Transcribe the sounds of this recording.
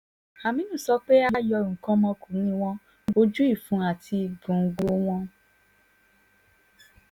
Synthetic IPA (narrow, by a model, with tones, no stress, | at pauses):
a˨mĩ˦nũ˦˨sɔ˧˦k͡pe˦a˦jɔ˧˦˨ɾũ˨kã˦mɔ̃˧˦kʰu˨˦nĩ˦w̃ɔ̃˦ | o˧d͡ʒu˦i˦˨fũ˨˦a˨tʰi˧ɡũ˨ŋ̩˦ɡ͡bo˦w̃ɔ̃˦